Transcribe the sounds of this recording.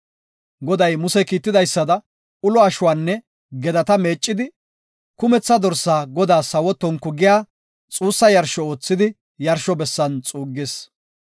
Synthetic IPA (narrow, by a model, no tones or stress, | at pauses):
ɡɔd̪ɐjmʊsɛkiːt̪ːɪd̪ɐjsːɐd̪ɐ | ʊlɔɐʃʊwaːnːɛ | ɡɛd̪ɐt̪ɐme̞ːt͡ʃʼːɪd̪ɪ | kʊmɛt͡sːɐd̪ɔɾsaːɡɔd̪aːsɐwɔt̪ːɔŋkːʊɡɪjaː | t͡sʼuːsːɐjɐɾʃɔo̞ːt͡sːɪd̪ɪ | jɐɾʃɔbɛsːɐnt͡sʼuːɡːeːs